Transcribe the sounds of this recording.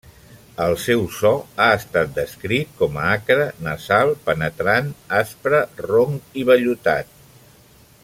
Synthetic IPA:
əlˠsɛwsɔaəst̪at̪̚d̪əskɾit̪̚kɔməakɾənəzalˠpənət̪ɾanaspɾəroŋiβəʎut̪a̰t̪̚

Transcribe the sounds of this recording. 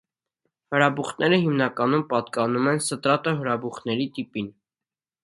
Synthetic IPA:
həɾɑbuχnɛɾəɦimnɑkɑnumpɑt̪kɑnumɛnsət̪ɾɑt̪əɦəɾɑbuχnɛɾit̪ipin

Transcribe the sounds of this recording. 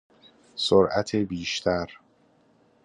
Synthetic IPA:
soɾʔæt̪ʰebiːʃt̪ʰæɾ

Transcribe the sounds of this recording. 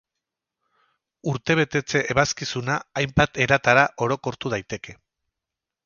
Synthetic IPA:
uɾt̪e̞β̞e̞t̪e̞t͡se̞ʔeβaskisunaːjmbat̪e̞ɾat̪aɾaʔo̞ɾo̞ko̞ɾt̪uðajt̪e̞ke̞

